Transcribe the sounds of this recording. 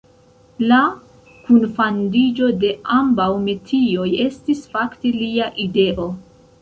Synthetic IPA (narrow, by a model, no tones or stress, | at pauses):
la | kunfandid͡ʒo̞de̞ambawmetʰio̞je̞stisfakteliaʔide̞ʔo̞